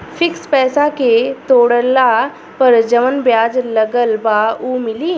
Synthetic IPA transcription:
fʰɪkspɛːsaket̪oːɽəla | pɐɾd͡ʒɐʋənbjaːd͡ʒlɐɡəlbaːuːmɪliː

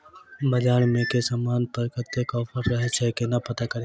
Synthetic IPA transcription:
bɐd͡ʒaːɽ̃mẽkesaːmaːnpəɾkət̪ːekɔːfʰəɾːɐɦet͡ʃʰɛkenɐpɐt̪akɐɾe

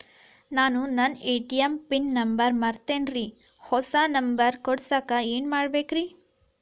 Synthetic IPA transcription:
naːnunɐneːʈijɐmpinːɐmbɐɾmaːɾt̪eːnɾi | hɔsanɐmbɐɾkɔɽsaːkɐeːnmaːɽbeːkɾi

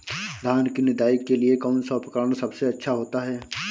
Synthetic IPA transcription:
d̪ʱaːnkinɪd̪aːɪkːeliekaʊnsapəkəɾñsɐbseɐtːʃʰaɦoːt̪aɦɛː

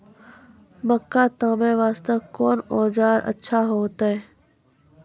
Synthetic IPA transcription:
məkːat̪ãːmeʋaːst̪əkɔːnɔːd͡ʒaːɾʔə̰tːʃʰaɦoːt̪ɦɛː

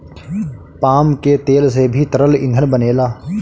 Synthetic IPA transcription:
paːmket̪eːlsebʱit̪əɾəlɪ̰̃nd̪ʱənbəneːlaː

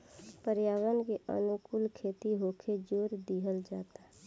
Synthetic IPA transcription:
pəɾjaːwənkeʔə̰nʊkʊlkʰeːt̪iɦoːkʰed͡ʒoːɾd̪iɦəld͡ʒa̰ːt̪aɦɛ

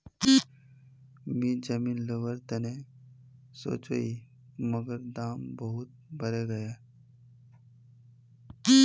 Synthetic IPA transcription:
miːd͡ʒəmiːnləʋəɾt̪ene | so̰ːt͡ʃə̰i | məɡəɾd̪aːmbəɦut̪̚bʱəɾeɡəje

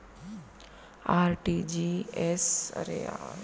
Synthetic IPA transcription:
aːɾʈid͡ʒiesə̰ɾḛa̰

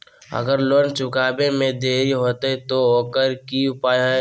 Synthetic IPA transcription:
ə̰ɡəɾloːnt͡ʃʊkaːbemẽd̪eːɾiɦoːt̪eɦɛt̪ooːkəɾkiʊpaːjɦɛ

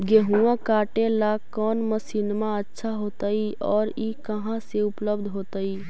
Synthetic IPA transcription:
ɡeɦũãkaːʈelakɔːnməsiːnmãətːʃʰaɦoːt̪aiɔːɾikəɦãseʊpləbd̪ʱɦoːt̪ai

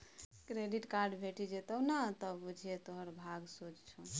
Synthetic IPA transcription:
kɾeɖiʈkaɾɖbʱeʈid͡ʒet̪ənat̪əbud͡ʒʱet̪oɦəɾbʱaɡsot͡ʃt͡ʃʰɔ

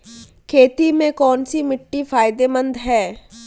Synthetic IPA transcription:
kʰeːt̪imẽkɔːnsimɪʈːifʰaːɪd̪emə̃nd̪ɦɛː

